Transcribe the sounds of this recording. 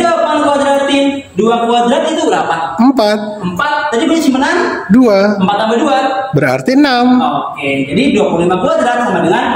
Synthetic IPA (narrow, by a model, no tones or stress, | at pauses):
uapuankwad̪ɾat̪i | duakwad̪ɾat̪it̪ubəɾa̰paəmpat̪̚əmpat̪̚d͡ʒadibisat͡ʃimənanduaəmpat̪ambəduabəɾa̰rt̪inamoked͡ʒadiduapulimakuad̪ɾat̪amadəŋan